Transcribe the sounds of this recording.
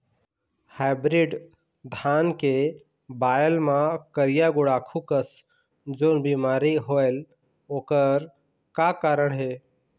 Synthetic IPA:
habɾiɖ | d̪ʱaːnke | baːjəlmãkəɾɪjaɡʊɽakʰukəs | d͡ʒoːnbimaːɾiɦoel | oːkəɾ | kakaːɾəɳ̃ɦeː

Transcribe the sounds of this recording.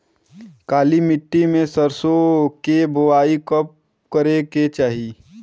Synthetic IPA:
kaːlimɪʈːimẽsəɾsokebʊʋaːikəp̚ | kəɾeket͡ʃaːɦi

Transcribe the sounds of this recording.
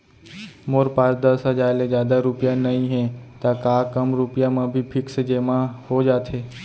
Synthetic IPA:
moːɾpaːɾd̪əsəd͡ʒaːɪlezjaːd̪aɾʊpijãnəĩɦẽt̪akaːkəmɾʊpjamãbʱipʰɪksed͡ʒeːmãhod͡ʒaːt̪ʰeː

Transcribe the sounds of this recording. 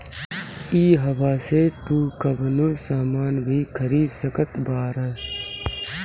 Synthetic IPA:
iːɦɐbaːset̪uːkəbnusaːmaːnbʱikʰəɾiːsəkət̪baːɾə

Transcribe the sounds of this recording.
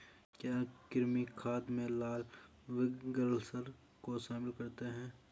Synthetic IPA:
kjaːkɪɾmikʰaːd̪mẽlaːl | ʋɪɡəɾlsəɾ | koʃaːmɪlkɐɾt̪eɦɛ̃ː

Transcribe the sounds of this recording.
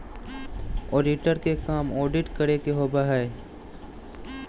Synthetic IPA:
oːɖɪʈəɾkekaːmɔːɖɪʈkɐɾekeɦoːbaɦɛː

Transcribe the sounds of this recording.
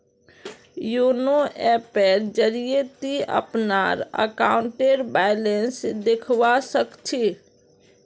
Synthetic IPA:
junoʔɛpəɾd͡ʒəɾiet̪iə̰pna̰ːɾə̰kaːʊ̃ɳʈeɾbaːɪlensd̪ɪkʰʋasəkt͡ʃʰi

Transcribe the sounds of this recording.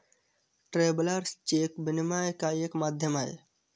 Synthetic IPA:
ʈɾeːblɐɾst͡ʃeːkbinimajkaːjekmaːd̪ʱjɐmaj

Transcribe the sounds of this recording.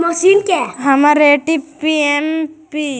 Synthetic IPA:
mɔʃinkaɦɐmaɾeʈipiempi

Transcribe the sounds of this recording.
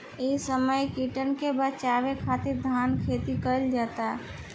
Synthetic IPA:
esəməjkiːʈənkebət͡ʃaːʋekʰaːt̪ɪɾd̪ʱaːnkʰeːt̪ikəɾəld͡ʒaːt̪aɦɛ

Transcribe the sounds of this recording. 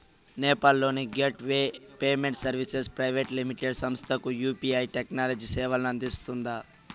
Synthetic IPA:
nɛːpaːlːo̞ːniɡeʈʋeːpeːmeɳʈsɐɾʋisespɾɐjʋeʈlimiʈeɖsɐmst̪ʰɐkujuːpiɐjʈeknaːlɐd͡ʒisɛːʋɐlɐnɐnd̪ist̪und̪a

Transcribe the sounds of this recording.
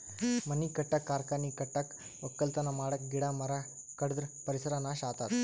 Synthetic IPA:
məniːkəʈːakːaɾkaniːkəʈːak | ʋəkːəlt̪ənamaɽək̚ɡiɽaməɾa | kəɽəd̪ɾpəɾisəɾanaɕat̪at̪

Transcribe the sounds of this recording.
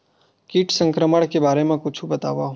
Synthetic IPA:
kiːʈʰsə̃ŋkɾəməɽ̃kebaːɾemẽkʊt͡ʃʰubət̪a̰ʋa

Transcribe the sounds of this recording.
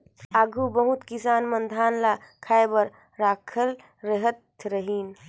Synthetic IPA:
aːɡʱubəɦut̪kisaːnmənd̪ʱaːnlakʰaːebəɾ | ɾaːkʰəlː | əɦət̪ɾəɦiːn

